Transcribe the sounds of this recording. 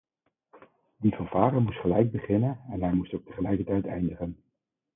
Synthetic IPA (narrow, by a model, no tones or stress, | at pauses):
divəɹvaːrəmustχəlɛjɡ̚bəχɪnənɛnɦɛjmustowk̚tə̥χəlɛjkəɹtɛjtɛjndəχən